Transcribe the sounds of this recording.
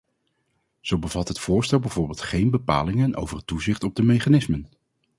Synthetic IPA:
z̥owbəvɑtɦətfʊːɹstɛlˠbɛjv̥ʊːɹbɪːlˠtχejnbəpa̰ːlɪŋənʔo̰wvərətuzɪχtɔb̚dəmejχanɪsmən

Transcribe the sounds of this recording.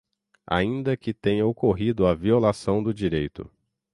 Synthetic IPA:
a̰ĩnd̪ɐkɪt̪ẽɲɐokoɦid̪ʊɐviolasɐ̃w̃d̪ʊd͡ʒiɾejt̪ʊ̰

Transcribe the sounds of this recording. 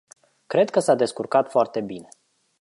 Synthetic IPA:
kɾe̞d̪̚kəsad̪e̞skurkat̪foart̪e̞bine̞

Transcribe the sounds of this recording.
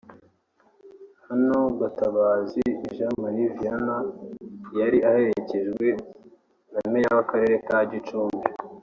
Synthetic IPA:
hanoɡataβaːziːʒamaɾivijana | jaɾiʔahe̞ɾece̞ʒɡwe̞ | namejaβakaɾe̞ɾe̞kaɟit͡ʃuːmbi

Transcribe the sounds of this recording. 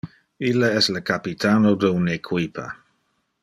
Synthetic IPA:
ilːəɛsləkapit̪ʰaːnodəunekʰwipʰa̰

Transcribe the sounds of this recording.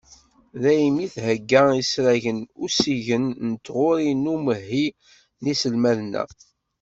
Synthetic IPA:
ðæjmiθhəɡːəisɾæʝənʊsiʝənnət̪ːʁʊɾinuməɦːi | nisəlmælnːæ̰

